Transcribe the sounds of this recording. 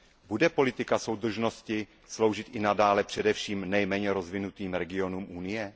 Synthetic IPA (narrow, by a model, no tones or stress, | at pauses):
budɛpo̞lɪt̪ɪkaso̞wd̪r̩ʒno̞scɪ | slo̞wʒɪt̪ʔɪnadaːlɛpr̥ɛdɛfʃiːmnɛjmɛːɲɛɾo̞zvɪnut̪iːmɾɛɡɪo̞nuːmʔunɪjɛ